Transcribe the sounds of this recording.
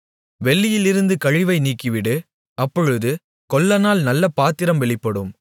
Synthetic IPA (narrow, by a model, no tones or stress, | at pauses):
ʋɛɭːɪjɪlɪɾɯnd̪ɯkɐɻɪʋɐɪniːkːɪʋɪɽɯ | ɐpːɔɻɯðɯ | kɔlːɐnaːlnɐlːɐpaːt̪ːɪɾɐmʋɛɭɪpːɐɽɯm